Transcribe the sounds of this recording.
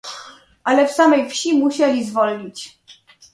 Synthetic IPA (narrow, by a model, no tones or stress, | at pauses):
ʔalɛfsamɛjfɕimuɕɛlʲizvɔlɲit͡ɕ